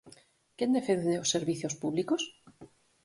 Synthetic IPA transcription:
kend̪efendeosːeɾβiθjospuβlikos

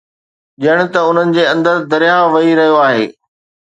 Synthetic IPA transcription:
ʄɐəɽ̃ɪ̆t̪ɐʊn̤ənɪ̆d͡ʑeːɐ̃nd̪əɾd̪ɐɾɪjaʋɐɦiɾɐɦijoaːɦḛː

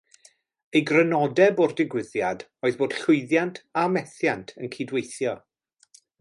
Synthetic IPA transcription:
ejɡrənɔdɛbordɪɡwɪðjadoːɨðboːd̥ɬʊɨðjantʰamɛθjantʰənkʰidwejθjɔ

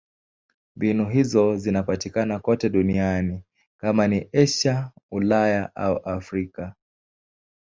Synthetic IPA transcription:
mbinuɦizɔzinapatikanakɔtɛɗuniani | kamaniʔɛʃaulajaʔa̰uʔafɾika

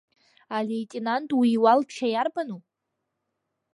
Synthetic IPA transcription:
alejtʼenantʼwiːwalt͡ʃʰajarbanupʼ

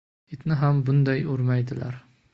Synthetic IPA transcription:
ɪt̪nɪɦambʊnd̪ajoɾmajd̪ɪla̰ɾ

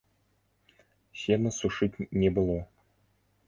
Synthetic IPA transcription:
ɕenɘ̆suʂɨtʲnʲebɤ̆lˠo

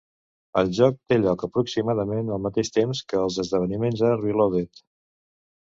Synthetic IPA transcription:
əlˠʒɔk̚t̪eʎɔkəpɾuksimaðəmenəlˠmət̪eʃt̪emskəːlˠzəzðəβənimenzərβiloβet̪

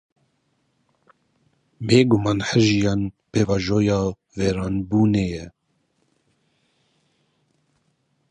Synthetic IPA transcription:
beːɡʊmɑːnħəʒijɑːnpʰeːvɑːʒoːjɑː | vɛːɾɑːnbuːnɛjɛ

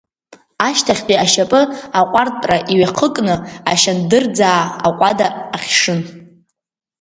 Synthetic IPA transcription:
aʃtʰaχʲqʼiaʃapʼɨaqʷʼartʼpʼraʔiɥaqʰəkʼnɨa̰ʃandɨrd͡zaːaqʷʼadaːχʲʂɨn

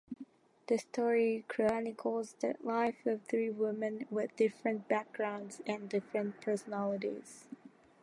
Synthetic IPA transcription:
ðɨstʰɔɹikʰɹ̥əanikʰɔzðə̰laɪfʌv̥θɹiwɪmɨ̃nwɪðdɪfɹə̃nb̥æk̚ɡ̥ɹãʊ̃ndz̥ɨ̃ndɪfɹə̃npʰɜ˞sənɔlˠəɾḭz̥

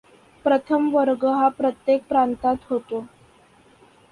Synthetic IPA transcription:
pɾət̪ʰəmʋəɾɡəɦapɾət̪jek̚pɾant̪at̪ɦot̪o

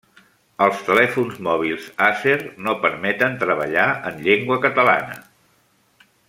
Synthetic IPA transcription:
əlˠst̪əlɛfunzmɔβ̞ilˠzasernopəɾmɛt̪ənt̪ɾəβə̰ʎaənʎeŋɡwəkət̪əla̰nə̰

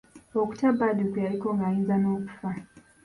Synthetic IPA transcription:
ɔku̥tabaɗukujalikɔŋɡainzanɔku̥fa

